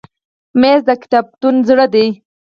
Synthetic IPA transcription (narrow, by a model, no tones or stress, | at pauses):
mezd̪əkɪ̥t̪ab̚t̪unzɽəd̪e